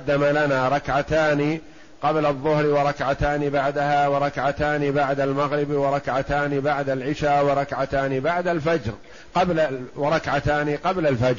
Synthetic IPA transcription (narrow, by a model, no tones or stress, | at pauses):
d̪ːamalanaːɾˤɑkʕat̪aːni | qɑblɑðˤːʊhɾwɑɾˤɑkʕat̪aːnibaʕd̪ahaːwɑɾˤɑkʕat̪aːnibaʕd̪almaɣɾɪbwɑɾˤɑkʕat̪aːnibaʕd̪alʕɪʃaːwɑɾˤɑkʕat̪aːnibaʕd̪alfad͡ʒɾ | qɑblawɪɾˤɑkʕat̪aːniqɑblalfad͡ʒ